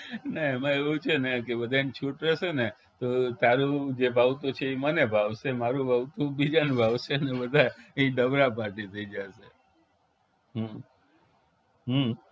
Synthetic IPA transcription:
naemaeʋũt͡ʃʰenekebəd̪ʱant͡ʃʰuʈɾɛʃene | t̪ot̪aɾũd͡ʒebʱaʋt̪ot͡ʃʰeimənebʱaʋʃemaɾũbʱaʋt̪ũbid͡ʒanbʱaʋʃenebəd̪ʱaĩɖəbɾapaʈit̪ʰəid͡ʒaʃe | ɦ | ɦə

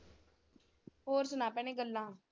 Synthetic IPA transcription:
ɦoːɾsʊnaːpɛːɽ̃ẽːɡəlːãː

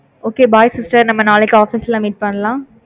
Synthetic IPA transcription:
oːkeːbaːjsɪsʈɐɾnɐmːɐnaːlɛkːɯaːfisɛlãːmiːʈ̚pɐɳɐlãː

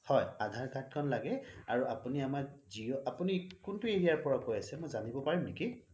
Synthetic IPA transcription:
hɔjadʱaɹkʰat̚kʰɔnlaɡɛaɹuapuniamaɹziɔapunikʊntʊeɹijaɹpɔɹɔkojasɛmɔjzanibɔpaɹimniki

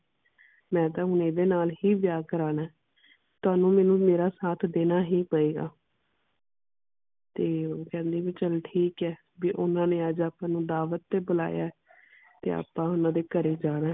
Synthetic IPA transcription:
mɛ̃ːt̪ãːɦʊneːd̪eːnaːlɦiːʋjaːkəɾaːnaː | t̪ʊaːnũːmɛːnũːmeːɾaːsaːt̪ʰd̪eːnaːɦiːpəeːɡa̰ː | t̪eːoːkɛ̃ːnd̪iːʋiːt͡ʃəlʈʰiːkɛː | biːʔʊnãːnẽːəd͡ʒaːpãːnũːd̪aːʋət̪ːeːbʊla̰ːja̰ːɛ | t̪ḛːa̰ːpãːʊnãːd̪eːkəɾeːd͡ʒaːɽ̃aː

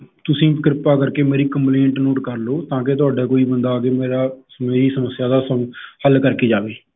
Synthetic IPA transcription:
t̪ʊsĩːpkɾɪpaːkəɾkeːmeːɾiːkəmplẽːɳʈnoːʈkəɾloːt̪ãːk̬et̪ʊaːɖaːkoːiːbənd̪aːkeːmeːɾaː | meːɾiːsəməsjaːd̪aːsəmhəlkəɾkeːd͡ʒaːʋeː

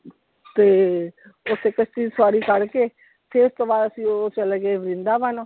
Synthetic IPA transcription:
t̪eː | ʊt̪ʰːeːkəst̪iːsaːɾiːkəɾkeː | t̪ʰeːʊst̪õːbaːd̪əsĩːot͡ʃəlɛːkeːʋɾɪ̃nd̪aːʋənoː

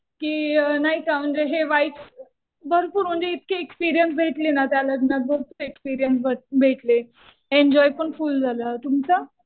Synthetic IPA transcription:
kiːnaɦikaməɳd͡zeɦeʋaiʈt͡s | bəɾpuːɾm̤əɳd͡zeit̪̚keekspiɾijənsbʱeʈlenat̪jaləɡnəɡəekspiɾijəns̬bʱəbʱeʈle | eɲd͡ʑɔjpəɳfuːld͡zʱalat̪umt͡sa

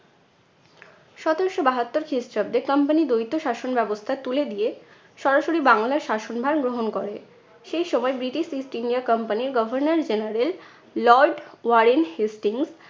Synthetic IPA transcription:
ʃɔt̪oɾʃobaɦat̪ːoɾkʰɾisʈab̚d̪eɾkʌmpanid̪ojt̪ːoʃaʃonbɛbost̪ʰat̪uled̪ije | ʃɔɾaʃoɾibaŋlaɾʃaʃonbʱaɾɡɾoɦonkoɾe | ʃejʃɔmɔebɾiʈiʃisʈinɖiakʌmpaniɾɡɔbʱoɾnaɾd͡ʑenaɾel | lɔɾɖwaɾenhisʈiŋs

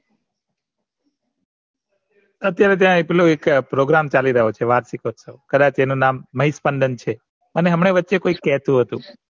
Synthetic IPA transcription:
ət̪jaɾet̪̬jãeploekpɾoɡɾamt͡ʃaliɾəɦot͡ʃʰeʋaɾsikʰot̪sʰokəd̪ãt͡ʃenũnamːəɦispəɳɖ̪ənt͡ʃʰe | əneɦəmɳ̃eʋətːʃekoikːɛɦt̪ũɦət̪ũ

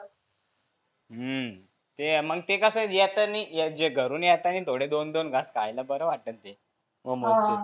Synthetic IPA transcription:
ə | t̪eməɡ̚t̪ekəsəd͡ʑet̪ənijed͡ʑeɡʱəɾuːnjet̪anit̪ʰoɽ̤ed̪ond̪onɡaskajlabəɾəʋaʈənt̪e | məmoɾt͡si

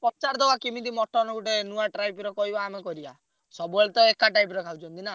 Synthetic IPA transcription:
pɔt͡ʃaɾd̪ɔwakimid̪imɔʈʰːɔnɔɡuʈenuaʈɾajpɾɔkɔɦibaːmekɔɾiba̰ | sɔbuaɭt̪ɔekaʈajpɾɔkʰawt͡ʃʰɔnt̪ina

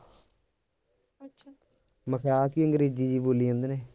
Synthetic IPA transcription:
məkʰjaːkiəŋɡɾeːd͡ʒiːd͡ʒiːboːliːə̃nd̪neː

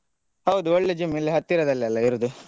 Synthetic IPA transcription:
hɐwd̪uɔɭːed͡ʒimːilːiɦɐt̪ːiɾɐd̪ɐlːiɐlːɐiɾud̪u

